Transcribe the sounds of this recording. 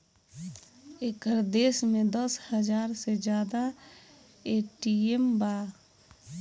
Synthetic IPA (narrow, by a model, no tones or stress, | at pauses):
ekəɾd̪eːsmẽd̪əshəd͡ʒaːɾsed͡ʒjaːd̪a | eʈiembaː